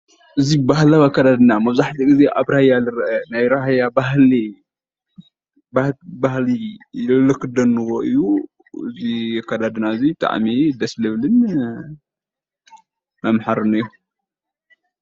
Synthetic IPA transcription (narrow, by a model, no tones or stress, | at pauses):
ʔɨzibahlaβakːad̪ad̪ɨnamɐβzaħt̪ʰiɡɨzeʔaβɾajalɨɾʔɐnajɾaɦjabaɦli | babahlilɨkʰːɨd̪ɐnːɨɣoʔɨjːu | ɨ̰zikʰːad̪ad̪ɨnaɨzit̪ʰʼa̰ʕ̰mid̪ɐslɨβlɨn | mɐmħaɾɨnɨju